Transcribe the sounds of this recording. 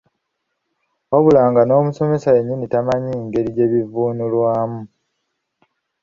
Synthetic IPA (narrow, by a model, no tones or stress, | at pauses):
o̞βulaːŋɡano̞ːmuso̞me̞sae̞ɲːinitamaɲiːŋɡe̞ɾiɟe̞ːβivuːnulwaːmu